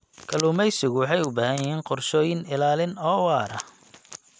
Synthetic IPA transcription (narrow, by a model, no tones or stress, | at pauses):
kʰɐlʊːmɛjsɪɣʊwɑħɑjʊbaːhɐjɪhiːnqɔrʃɔːjɪnɪlaːlɪnɔːwɑːɾɐ